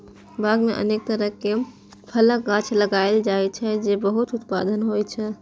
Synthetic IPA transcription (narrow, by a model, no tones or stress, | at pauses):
bʱaɡmeʔə̰nek̚t̪əɾəɦke | pʰələkɡãt͡ʃʰləɡajld͡ʒajt͡ʃʰɛd͡ʒebəɦut̪ut̪̚pa̰d̪ənɦojt͡ʃʰɛ